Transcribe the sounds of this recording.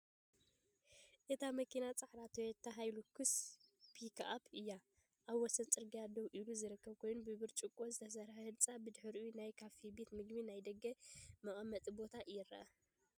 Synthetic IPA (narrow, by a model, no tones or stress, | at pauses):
ʔet̪ʰamɐkʰinat͡sʼaħɾat̪ʰojɛt̪ʰːɐɦajlokʰːɨspʰikʰapʰɨjːa | ʔaβwɔsɐnt͡sʼɨɾɡad̪ɐwʔiluzɨɾɨkʰːɐβkʰo̞jnunbɨβɨɾt͡ʃʼɨkʼo̞zɨt̪ʰɐs̬ɐɾɐhɨlt͡sʼabɨd̪ɨħɨɾunajkʰafibe̞t̪mɨɡminajd̪ɐɡːɐmɐχʼɐmːɐt̪ʼɨbo̞t̪ʰaʔjɪɾɐ̰ʔa